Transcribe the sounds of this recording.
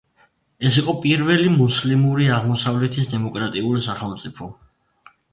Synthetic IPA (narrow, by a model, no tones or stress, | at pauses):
ɛsiqʼɔpʼiɾvɛlimuslimuɾiaʁmɔsavlɛt̪ʰis̬d̪ɛmɔkʼɾat̪ʼiulisaχɛlˠmt̪sʼipʰɔ